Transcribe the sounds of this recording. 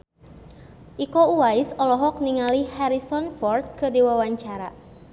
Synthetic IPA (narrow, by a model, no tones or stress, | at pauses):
ʔikouwaɪsɔlɔɦɔk̚niŋalihaɾisɔnfɔrt̪̚kədiwawaɲt͡ʃaɾa̰